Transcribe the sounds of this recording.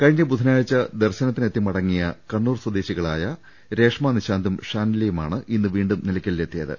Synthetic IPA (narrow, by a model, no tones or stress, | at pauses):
kɐɻiɲːɐbud̪ʱɐnaːɻit͡ɕːɐd̪erɕɐnɐt̪ːinet̪ːimɐɽɐŋːijɐkɐɳːuːrswɐd̪eːɕiɣɐɭaːjɐ | ɾe̞ːʂmaːniɕaːnd̪ʱumʂaːnilejumaːɳɨʔinːɨʋiːɳɖumnilɐkʲːɐlːet̪ːijɐðɨ̰